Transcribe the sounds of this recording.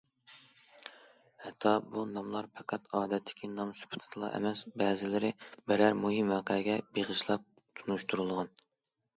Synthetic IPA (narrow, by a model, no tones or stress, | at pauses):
hɛt̪ʰːɑbunɑmlˠɑɾpʰɛqʰæt̪ʰɑːd̪ɛt̪ʰːɪ̥kʲʰinɑmsy̥pʰu̥t̪ʰɨ̥t̪ʰlˠɑ̰ʔɛ̰mɛsbɛːzɪlɪɾɪbɪɾæɾmuɦimæqʰəɡʲɛbeʁɨʃlˠɑp̚ | t̪ʰunuʃt̪ʰuɾulˠʁɑn